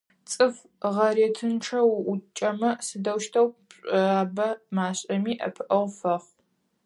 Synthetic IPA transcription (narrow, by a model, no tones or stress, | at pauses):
t͡sʼɨf | ʁɐɾeːtʰɨnʈ͡ʂʰɐwʷʊt͡ʃʼɐmɐsɨdɐwʃtʰɐwpɕʼaːbɐmaːɕʼɐmiːʔɐ̰pʰɨʔɐwfɐχ